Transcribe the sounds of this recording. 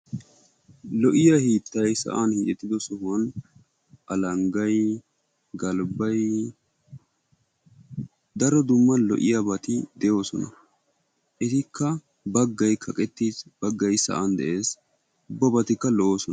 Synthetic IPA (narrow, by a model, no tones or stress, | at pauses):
lɔʔɪjahiːt̪ːɐjsɐ̰ʔanhiːt͡ʃʼɛt̪ːɪd̪ɔsɔhʊwɐn | ʔɐlɐŋɡɐj | ɡɐlbɐj | d̪ɐɾɔd̪ʊmːɐnlɔ̰ʔɪ̰jabɐt̪ɪd̪ɛjo̞ːsɔnɐ̰ | ʔɛt̪ɪkːɐ | bɐɡːɐjkʰɐkʼɛt̪ːiːsb̥ɐɡːɐjsɐ̰ʔand̪ɛʔe̞ːs | ʊbːɐbɐt̪ɪkːɐlɔʔo̞ːsɔnɐ